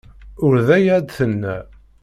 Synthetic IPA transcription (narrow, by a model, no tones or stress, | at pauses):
ʊɾðæjæd̪θənːæ